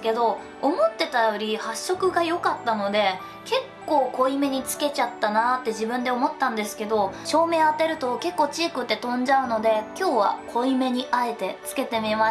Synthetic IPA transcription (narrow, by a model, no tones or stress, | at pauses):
ke̞d̪o̞ | omo̞t̪ːe̞t̪ajo̞ɾʲihaɕːo̞kɯ̟ɡajo̞kat̪ːano̞d̪e̞ | ke̞kːo̞ːko̞ime̞ɲ̟it͡sɨ̥ke̞t͡ɕat̪ːanat̪ːe̞ʑibɯ̟̃nd̪eo̞mo̞t̪ːãnd̪e̞sɨ̥ke̞d̪o̞ɕo̞ːme̞ːat̪e̞ɾɯ̟t̪o̞ke̞kːo̞ːt͡ɕiːkɯ̟t̪ːe̞t̪õ̞ɲ̟d͡ʑaɯ̟no̞d̪e̞kʲo̞ːβa̰kʰo̞ime̞ɲ̟iʔae̞t̪e̞t͡sɨ̥ke̞t̪e̞mʲima